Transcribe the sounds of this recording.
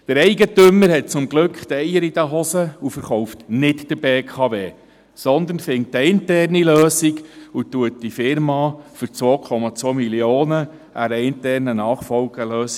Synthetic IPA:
d̥əɾɛɪɡətʏməɾɦɛt̚t͡sʊmɡlɵkχt̪ɛjəɾid̥æɦɔsəufəɾχɔʊftnɪtd̥əɾbeːkʰɑːveː | sɔnd̪ənfɪŋtaɪntɛrniløːsiɡutuət̚d̥ifɪɾmɑːfʏɾt͡sʋoːkʰɔmɑt͡sʋoːmiljoːnə | ʔæɾəɪntɛrnənɑːχfɔlɡ̥əløːs

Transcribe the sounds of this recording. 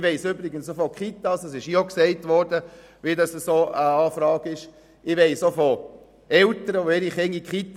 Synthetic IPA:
ʋɛɪsøbɾɪɡənsofɔkχitːɑsɑsɪʃioksɛɪtʋɔrdə | ʋidɑsəsoːʔəɑːfɾɑːɡɪʃ | ɪʋɛɪsofɔ | ɛltəɾəoɪɾiχɪŋːikχit̪

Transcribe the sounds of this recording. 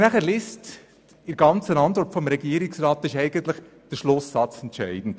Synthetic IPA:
næχəɾlɪst | ɪɾɡ̥ɑnt͡sənɑnt̪ʋɔɹtfɔmɾɛɡiːəɾɪksrɑːt̪ɪʃɛɪɡ̥ənt̪lɪχ | d̥əɾʃlʊsɑt͡sɛntʃɛɪd̥n̩d̥

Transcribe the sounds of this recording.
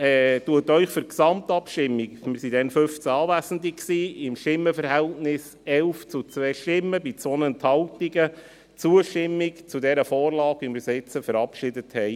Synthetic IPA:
ɛːtuətœʏχfʏɾksɑmtɑpʃtɪmːikmɪɾsid̥ɛnfʏft͡sæɑːvæzən̩diksiːɪmʃtɪmːəfəɾhɛltnɪs | ɛlft͡sut͡sʋɛːʃtɪmːəbit͡sonənthɑltiɡə | t͡suəʃtɪmːikt͡sudɛɾəfɔːrlɑːkʋimɪɾsɪt͡səfəɾɑpʃɪdəthɛɪ

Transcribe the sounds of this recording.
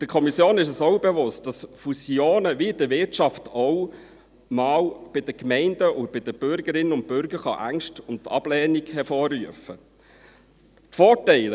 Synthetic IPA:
d̥əkʰɔmisjoːnɪʃ̬ɛsɔwbɛvʊst̚d̥ɑsfusjoːnəvid̥əʋɪɾtʃɑftɔw | mɑːwb̥ɪd̥əkmɛɪndəʊbɪd̥əb̥ʏɾɡəɾɪnːəʊnt̚bʏɾɡ̥əɾχɑ̰ʔæŋʃtʊntːɑ̰b̥lɛːnikhɛɾfɔːrːyəfə | tfɔːtɛɪl

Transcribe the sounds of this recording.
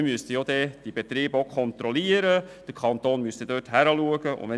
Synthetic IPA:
ɪmyəst̪əjod̪ɛːd̥ibet̪ɾiːbəokʰɔnt̪ɾɔliːəɾəd̥əɾkʰɑnt̪oːnmyst̪əd̥øːthæɾəluəɡəʊ̰vɛ

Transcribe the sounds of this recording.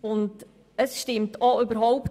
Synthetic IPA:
ʊnd | əsʃtɪmtʰɔʏbəɾɦɔʊp

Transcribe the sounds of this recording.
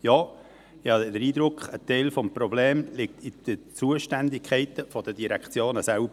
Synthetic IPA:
jɑː | ɑdəɾiːd̪ɾʊkχətɛɪlfɔmpɾɔbleːmlɪk̚t̪id̪̥ət͡suəʃtændɪkʰɛɪtəfɔd̥ədiɾækt͡sjoːnəsæʊb

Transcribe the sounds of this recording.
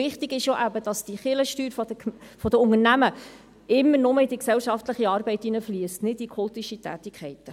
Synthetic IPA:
ɪχt̪ɪɡɪʃjoːʔæbəd̥ɑsd̥iχɪləʃtyːɾffɔd̥əʊŋərnæmə | ɪmːəɾnʊməɪd̪iksɛwʃɑftləχiɑːɾbɛɪtːinəfliəstnɪd̥ikʰɔlt̪iʃitæ̰ːt̪ɪkχɛɪt̪ə

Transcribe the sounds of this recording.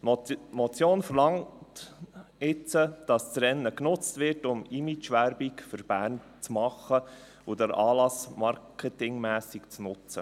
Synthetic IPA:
mɔt͡sjoːnfəɾlɑŋt | ɪt͡səd̥ɑst͡sɾɛnːəknʊt͡stʋɪɾtʊmimit͡ʃʋæɾbikfʏɾb̥æːɾn | t͡smɑχːə | od̪əɾɑːlɑsmɑɾkʰɛtɪŋmæːsikt͡snʊt͡sə̰

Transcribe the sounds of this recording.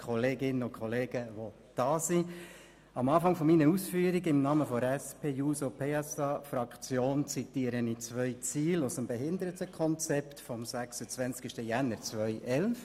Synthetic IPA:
kʰχɔleːɡɪnːəʊkʰɔleːɡ̥əʋo | d̥ɑːsi | ɑmɑːfɑŋfɔminəɾusfyːəɾiɡɪmnɑːməfɔɾɛspʰeːjuːsopʰeːɛsɑfɾɑkχt͡sjoːnt͡sitiːəɾənit͡sʋœʏt͡siːlʊsəmbɛɦɪnd̪əɾətəkʰɔnt͡sɛpt̪fɔmsæksət͡sʋɛnt͡skiʃtəjænːəɾt͡sʋœʏʔɛlf

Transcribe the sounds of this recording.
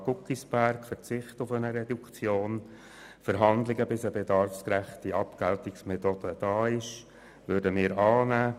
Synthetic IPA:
ɡʊkisb̥æɾkfəɾt͡sɪχtʊfənəɾɛdukt͡sjoːn | fəɾɦɑndlɪɡəbɪsəbedɑrfskɾæχtiɑpkæltɪksmet̪od̥əd̥ɑːɪʃ | ʋʏɾdəmɪːɾɑːnæː

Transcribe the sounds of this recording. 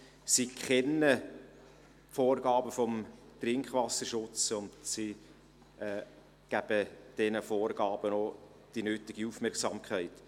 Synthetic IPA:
sikχɛnːə | foːrɡɑːbəfɔmtɾɪŋkχʋɑsəɾʃʊt͡sʊndsi | ɛː | ɡ̥æb̥əd̥ɛnəfoːrɡ̥ɑːb̥əno | d̥inøːtɪɡiufmɛrksɑːmkχæɪt

